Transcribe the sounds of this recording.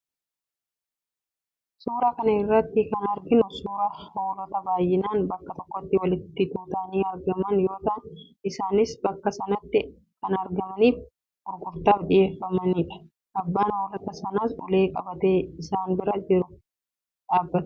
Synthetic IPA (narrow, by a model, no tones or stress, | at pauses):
suːɾɐkɐnɐɪrːɐt̪ːɪkɐnɐɾɡɪnʊsuːɾɐhoːlɐt̪ɐbaːjːɪnaːnbɐkːɐt̪ɔkːɔt̪ːɪwɐlɪt̪ːɪd̪uːt̪ɐʔniːɐɾɡɐmɐnjo̞ːt̪ɐʔɐn | ɪsaːnɪsbɐkːɐsɐnɐt̪ːɪ | kɐnɐɾɡɐmɐniːf | ʊɾkʊɾt̪aːfᶑɪje̞ːfːɐmɐniːᶑɐ̥ | ʔɐbːaːnhoːlɐt̪ɐsɐnaːsɔ̰le̞ːkʼɐbɐt̪eːɪsaːnbɪɾɐd͡ʒɪɾʊ | ᶑaːbːɐt̪